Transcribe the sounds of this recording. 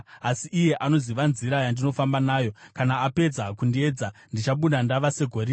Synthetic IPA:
asiʔːje̞ʔano̞ziʋanziɾajandino̞fambanaːjo̞kanaːpe̞d͡zakundie̞d͡zandit͡ʃaɓunandaʋase̞ɡʱo̞ɾi

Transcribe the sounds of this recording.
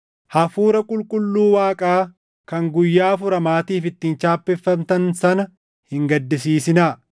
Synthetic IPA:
hɐfuːɾɐkʼʊlkʼʊlːuːwaːkʼaː | kɐŋɡʊjːaːfʊɾɐmaːt̪iːfɪt̪ːiːnt͡ʃaːpːɛfːɐmt̪ɐnsɐnɐ | hɪŋɡɐd̪ːɪsiːsɪnaː

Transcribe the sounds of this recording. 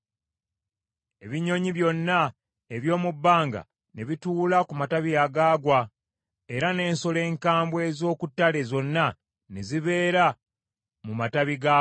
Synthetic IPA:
e̞βiɲo̞ɲiβjo̞nːa | eβjo̞ːmubːaːŋɡa̰ | neβituːlakumataβijaɡaːɡwa | e̞ɾane̞ːnso̞le̞ːŋkaːmbwe̞ːzo̞ːkutːale̞zo̞nːa | neziβe̞ːɾa | mumataβiɡa

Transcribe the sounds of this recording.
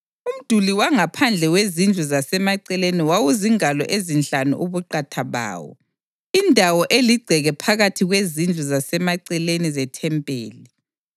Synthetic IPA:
um̩d̥ʱuliwaŋapʰand͡ɮʱɛwezind͡ɮʱuzasɛmaǀɛleniwawuziŋalɔ̰ʔezinɬanṵʔuβuǃatʰaβa̰ːwɔ̰ | indʱawɔʔeliɡ͡ǀʱɛɣɛpʰaɣatʰiɣwezind͡ɮʱuzasɛmaǀɛlenizɛtʰɛmpʼḛːli

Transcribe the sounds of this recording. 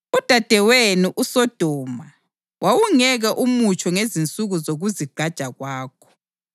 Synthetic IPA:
ud̥ʱad̥ʱɛwenuʔusɔd̥ʱɔːma | wawuŋɛɣɛʔumut͡ʃʼʰɔŋezint͡sʼuɣuzoɣuziɡ͡ǃʱad̥ʒ̥ʼʱaɣwaːk̚ʰɔ̥

